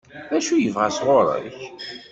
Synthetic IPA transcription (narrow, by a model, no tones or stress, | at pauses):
ðæʃujəvʁasʁoɾˤə̰ç